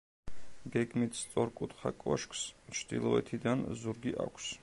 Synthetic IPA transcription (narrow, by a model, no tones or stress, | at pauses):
ɡɛɡmit̪ʰst̪sʼɔɾkʼut̪χakʼɔʃkʰst͡ʃʰd̪ḭlˠɔɛt̪ʰid̪anzuɾɡiʔa̰kʷʰs